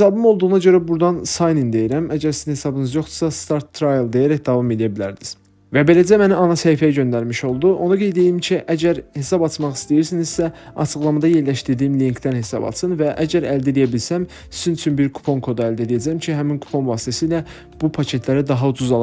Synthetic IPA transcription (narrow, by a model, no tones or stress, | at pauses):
esɑbɯmo̞lˠd̪uʁunɑɟø̞ɾæbuɾd̪ɑnsɑjnind̪e̞jiɾæmæɟæɾsizinhe̞sɑbɯnɯzjo̞χd̪ɯ̥sɑst̪ɑɾt̪ʰːɾajelˠd̪e̞jæɾæçd̪ɑvɑme̞lijæbilæɾd̪iz̥ | væbe̞læd͡ʒæmæniɑnɑsæjifæjæɟø̞nd̪æɾmiʃo̞lˠd̪uʔo̞nɑɡe̞jd̪eimcʰiʔæɟæɾhe̞sɑbɑt͡ʃ̪mɑχi̥st̪ijiɾsiniz̥sæ | ɑ̰t͡ʃʰɯɣlˠɑmɑd̪ɑje̞ɾlæʃt̪iɾd̪iːimliŋkt̪ænhe̞sɑ̰bɑ̰t̪sɯnvæʔæɟæɾæld̪elijæbilsæm | sizynt͡ʃʰynbiɾkʰu̥pʰo̞ŋkʰo̞d̪ɑæld̪elijæd͡ʒæmcʰiɦæminkʰu̥pʰo̞nvɑːst̪ʰæsiːlæ | b̥upʰɑcʰe̞t̪ʰlæɾid̪ɑɦɑud̪uzɑlˠ